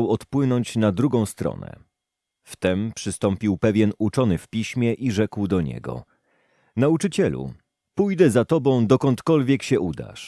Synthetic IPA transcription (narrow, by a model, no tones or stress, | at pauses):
wɔt̪pwɘnɔɲt͡ɕnad̪ɾuɡɔ̃w̃st̪ɾɔ̰nɛ̰ | ft̪ɛmpʂɘst̪ɔmpʲiwpɛvʲjɛnut͡ʂɔnɘfpʲiɕmʲɛʔiʐɛkwd̪ɔɲɛ̰ɡɔ̰ | naut͡ʂɘt͡ɕɛlṵ | pujd̪ɛzat̪ɔbɔ̃w̃d̪ɔkɔnt̪kɔlvʲjɛkɕɛʔud̪a̰ʂ